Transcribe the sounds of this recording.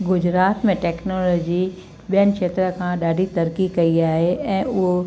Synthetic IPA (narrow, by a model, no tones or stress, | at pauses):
ɡʊd͡ʑɾaːt̪mẽʈɛːknoːlɔːd͡ʑi | ɓijənɪ̆kʃeːt̪ɾəkʰãɗaːɖʱit̪ɐɾkikɐiaːɦeɛ̃ːʊɦo